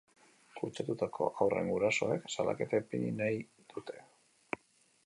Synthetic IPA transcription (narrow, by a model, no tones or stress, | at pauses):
kut͡ʃat̪ut̪akʰo̞̰awre̞̰ŋɡuɾaso̞̰e̞ksala̰ke̞t̪apiɲinaj | d̪̥ut̪ʰe̞